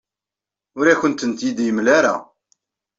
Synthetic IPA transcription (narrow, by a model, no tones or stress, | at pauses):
ʊɾæçənt̪ənt̪jid̪jəmlaɾa̰